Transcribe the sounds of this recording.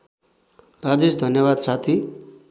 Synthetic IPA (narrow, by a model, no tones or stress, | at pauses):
ɾad͡zesd̪ʱʌnjʌβad̪sat̪ʰi